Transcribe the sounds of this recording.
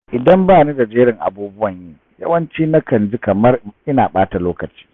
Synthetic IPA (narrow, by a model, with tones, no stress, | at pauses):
ʔɪ˨dɐ˦mbaː˦˨ni˦da˨d͡ʒeː˦ɾɪ˨ŋʔa̰˨buː˦bʊ˦wɐ˨ɲjiː˦ | jɐ̰˦wɐ˦nt͡ʃiː˦na˦kɐ˨nd͡ʒi˦kɐ˨mɐ˦rʔɪ˦naː˨ɓaː˦ta˨loː˦kɐ˨t͡ʃi̥ː˦